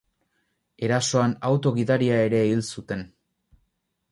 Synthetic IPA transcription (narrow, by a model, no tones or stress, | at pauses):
e̞ɾaso̞anawt̪o̞ɣiðaɾiae̞ɾe̞ilsut̪e̞n